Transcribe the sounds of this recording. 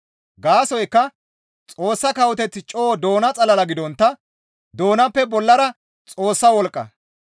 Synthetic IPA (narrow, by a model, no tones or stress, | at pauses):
ɡaːsɔjkːɐ | t͡sʼo̞ːsːɐkɐwɔt̪ɛt͡s̪ːɪt͡ʃʼoːd̪o̞ːnɐt͡sʼɐlɐlɐɡɪd̪ɔnt̪ːɐ | d̪o̞ːnɐpːɛbɔlːɐɾɐ | t͡sʼo̞ːsːɐwɔlkʼːɐ̰